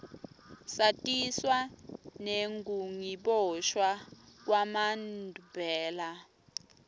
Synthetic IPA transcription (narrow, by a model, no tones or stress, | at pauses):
satʼiswaneŋɡuŋiɓɔʃwak̬wamandʱubʱɛːla